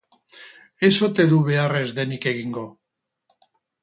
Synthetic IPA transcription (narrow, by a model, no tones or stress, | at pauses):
e̞so̞t̪e̞ðuβe̞are̞zðe̞nike̞ɣ̞iŋɡo̞